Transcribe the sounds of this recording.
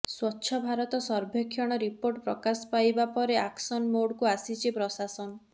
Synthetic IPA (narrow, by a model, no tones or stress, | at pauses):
swɔtːʃʰɔbʱaɾɔt̪ɔsɔɾbʱekʰːjɔɽ̃ɔɾipoɾʈpɾɔkaspajbapɔɾeaksɔnmoɽkuasit͡ʃʰipɾɔsasɔnɔ